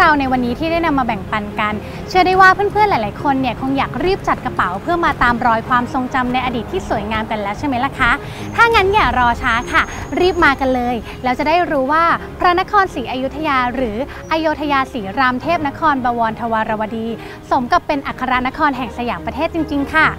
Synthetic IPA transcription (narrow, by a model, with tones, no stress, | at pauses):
ɾa˧wna˧jwa˧nːiː˦˥t̪ʰiː˥˩a˥˩jna˧mːaː˧bɛ˨˩ŋpa˧nka˧n | t͡ɕʰɯ˧˥əda˥˩jwaː˥˩pʰɯ˥ə˨npʰɯ˥ə˨nlaː˨˩˦jlaː˨˦jkʰo˧nːi˥˩ɐkʰo˧ŋjaː˨˩k̚ɾiː˥˩p̚t͡ɕa˨˩t̪̚ka˧pa˩˦wpʰɯ˥˩ɐmaː˧t̪aː˧mɾɔː˧jkʰwaː˧mso˧ŋt͡ɕa˧mna˧jʔa˧diː˨˩t̪ʰːiː˥˩su˨˩˦jŋaː˧mka˧nlɛː˦˥wt͡ɕʰa˥˩jma˦˥jla˨˩kʰa˦˥ | t̪ʰaː˥˩ŋa˦˥njaː˨˩ɾɔː˧t͡ɕʰaː˦˥kʰa˥˩ɾiː˥˩p̚maː˧ka˧nlɤː˧j | lɛː˦˥wt͡ɕa˨˩daː˥˩jɾuː˦˥waː˥˩pʰɾa˦˥na˦˥kʰɔː˧nsiː˩˦ʔa˧ju˦˥t̪ʰːa˧jaː˧ɾɯː˩˦ | ʔa˧joː˧t̪ʰa˧jaː˧siː˩˦ɾaː˧mt̪ʰeː˥˩p̚na˦˥kʰɔː˧nbaː˧wɔː˧nt̪ʰa˧waː˧ɾa˧wa˧diː˧ | so˩˦mka˨˩pːe˧nʔa˨˩kʰːa˧ɾa˦˥na˦˥kʰɔː˧nɦɛ˨˩ŋsa˧jaː˩˦ŋpɾa˧t̪ʰeː˥˩t̪̚t͡ɕi˧ŋt͡ɕi˧ŋkʰa˥˩